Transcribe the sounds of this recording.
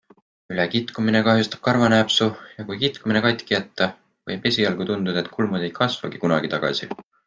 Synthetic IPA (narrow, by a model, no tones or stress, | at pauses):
ylekit̪kumine̞kɑɦjust̪ɑ̥b̥̚kɑrvɑnæːpsujɑkujkit̪kuminekɑjt̪ʲkijɑt̪ːˑɑ | vɤ̰jb̥e̞sʲiɑlɡ̥ut̪und̪ud̪ɑet̪ːˑkʰulmud̪e̞jkʰɑsvɑ̰ɡ̥ikunɑ̰ɡ̥it̪ɑɡ̥ɑ̰sḭ